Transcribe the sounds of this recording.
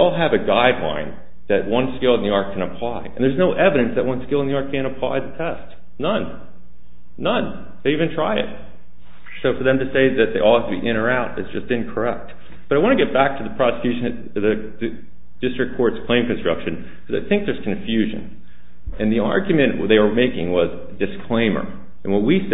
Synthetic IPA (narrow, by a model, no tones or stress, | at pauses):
ɔlˠəvɨɡaɪdˡlã̰ɪ̃n | ðɨt̚wʌ̃nskɪlˠə̃nðiɑɹt̚kʰɨ̃ñɨpʰl̥aɪɨ̃n̩ðə˞znoʊʔɛvɨɾɨ̃nsðɨʔ̚wʌ̃nskɪlˠənðiɑɹt̚kʰɨ̃ñɨpʰl̥a̰ɪðɨtʰɛst | nʌ̃n | ʌ̃n | ðeɪivɨ̃ntʰɹ̥aɪɪ̰t̚ | soʊfə˞ðɨ̃mtɨseɪðɨt̪̚ðeɪʔɔlˠæftʰɨbiʔɪ̃ɾ̃ə˞aʊɾɨtsd̥ʒ̥ʌstɨ̃nkʰə˞ɛk̚t̚ | b̥ʌɾaɪwɑ̃ñɨɡɛt̚b̥æk̚tʰɨðəpʰɹ̥ɑsɨ̥kʰj̥ʉʃɨ̃nɨt̚ | ðɨ | d̥ɪstɹ̥ɨk̚kʰːɔɹtskʰl̥ẽɪ̃mkɨ̃n̩stɹ̥ʌ̰kʃɨ̃n | kʰʌza̰ɪθɪ̃ŋk̚ðə˞z̥kʰɨ̃ɱfjʉʒɨ̰̃n | ɨ̃nðiɑ̰ɹɡjɨmɨ̃nʔðeɪwə˞meɪkɪ̃ŋwʌz | dɨskʰl̥ẽɪ̃mə̰˞ | ɨ̃nwʌt̚wis